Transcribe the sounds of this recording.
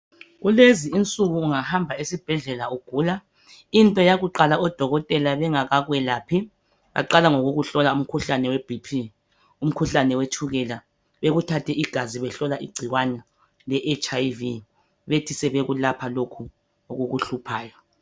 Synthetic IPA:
ɣuleziint͡sʼuɣuːŋahambʱaisib̥ʱɛɮɛlauɡ̥ʱuːla | intʼɔjaɣuǃalaɔd̥ʱɔɣɔtʼɛlaβɛŋaɣaɣwɛlaːpʰi | βa̰ǃalaŋoɣuɣuɬɔlaum̩kʰuɬanɛweb̥ʱipʰi | um̩kʰuɬanɛwet͡ʃʰuɣɛla | βeɣutʰatʰɛʔiɡ̥ʱaziβɛɬɔlaʔiɡ͡ǀʱiɣwanɛ | lɛʔet͡ʃʰʼajvi | βetʰisɛβeɣulapʰalokʰu | oɣuɣuɬupʰaːjɔ

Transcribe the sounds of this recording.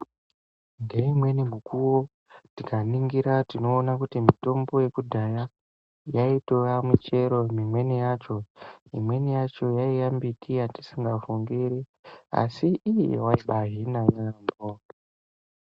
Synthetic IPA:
nde̞imwe̞nimukuwo | tikaniŋɡiɾatino̞ːnakutimito̞mbo̞je̞kudʱaja | jaitoamut͡ʃe̞ɾo̞mimwe̞nijat͡ʃo̞ḭmwe̞nijat͡ʃo̞jaijambitʰiati̥siŋɡafuŋɡiɾia̰siːjḛwaiɓaɦinajambo

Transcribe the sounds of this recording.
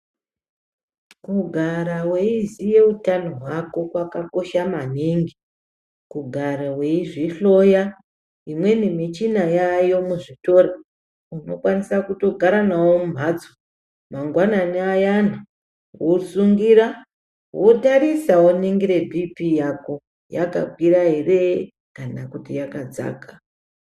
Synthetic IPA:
kuɡʱaɾaweizije̞utanoɦwako̞kwakako̞ʃamaniŋɡi | kuɡʱaɾawe̞iʐiɬoja | imwe̞nimit͡ʃinajajo̞muʐito̞ɾe | uno̞̰kwanisakuto̞ɡʱaɾanawomum̤ad͡zo | maŋɡwananiajana | wosuŋɡiɾa | wotarisawoniŋɡiɾe̞bʱipijako | jaka̰ɡʱwiɾaɦe̞re | kanakutijakad͡za̰ːka

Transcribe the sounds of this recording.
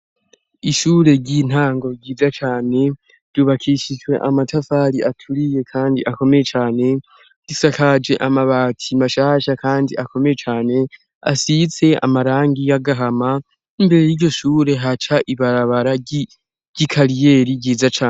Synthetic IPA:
iʃuːɾe̞ɟin̥aːŋɡo̞ɟiːzat͡ʃaːne̞ | d̥uβakʰiʃid͡ʒwe̞ʔamatʰafaɾiʔatʰuɾije̞kʰaːndiʔako̞me̞jet͡ʃaːne̞ | d̥isakad͡ʒe̞ʔamaβaːtʰimaʃaːʃakaːndiʔako̞me̞je̞t͡ʃaːne̞ | a̰sit͡se̞a̰maɾaːŋɡijaɡaɦama | imbe̞ɾe̞jiɾɟo̞ʃuːɾe̞ɦat͡ʃaʔiβaɾaβaɾa | ɟikʰaɾije̞ːɾiɟiːzat͡ʃaːn

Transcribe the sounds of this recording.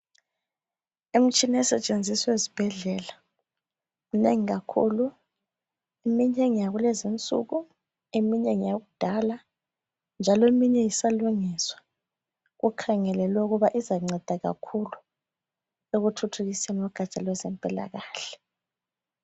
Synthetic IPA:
em̩t͡ʃʼinɛsɛt͡ʃʼend͡zʱiswezib̥ʱɛɮɛla | munḛŋiɣakʰṵlu | emiɲɛŋijaɣulezint͡sʼṵɣu | emiɲɛŋijaɣud̥ʱala | nd͡ʒʱalɔemiɲɛjisaluŋiswḁ | ɣukʰaŋɛlɛlwɛuɣuβaʔizaŋ͡ǀʱɛd̥ʱaɣa̰kʰulu | eɣutʰutʰuɣisenwɔɡ̥ʱat͡ʃʼalwɛzɛmpʼɛla̰ɣaːɬɛ̥

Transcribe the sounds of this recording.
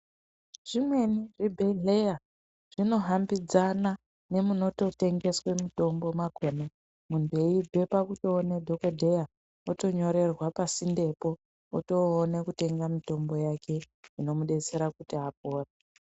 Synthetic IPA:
ʐ̥imwe̞niʐibʱeɮe̞ja | ʐ̥ino̞ɦambid͡zana | ne̞muno̞to̞te̞ŋɡe̞swe̞mito̞mbo̞mako̞ne | munde̞ibʱe̞pakutoːnedʱo̞kodʱe̞ja | oto̞ɲo̞ɾe̞rwapasinde̞po̞ | oto̞ːnekute̞ŋɡamito̞mbo̞jakʰe̞ | ino̞muɗe̞t͡se̞ɾakutiap̚oːra

